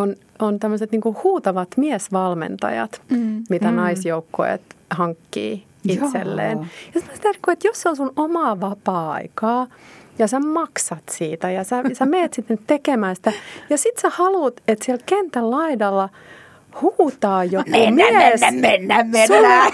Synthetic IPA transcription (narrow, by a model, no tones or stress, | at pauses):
on | ont̪æmːøset̪niːŋkuhuːt̪ɑʋɑt̪miɛsʋɑlmḛnt̪ɑ̰jɑ̰t̪mit̪ænɑisjoukːo̰ḛt̪hɑŋkːḭː | it̪sḛlːḛːnjɑsit̪most̪erkːuet̪joseonsunomɑːʋɑpɑːɑ̰ikɑːjɑsæmɑksɑt̪siːt̪æjɑsæsæmeːt̪sit̪nyt̪t̪ekemæːsi̥t̪æjɑsit̪sæhɑlut̪et̪siælkent̪ællɑidɑlːɑ | huːt̪ɑːjokuemiesæmenːæmmensæ